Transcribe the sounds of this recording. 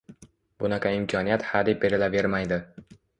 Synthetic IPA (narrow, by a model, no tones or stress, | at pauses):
bʊnakʰʲaɪmkʲʰɒnijat̪had̪ɪbeɾɪlave̞ɾmajd̪ɪ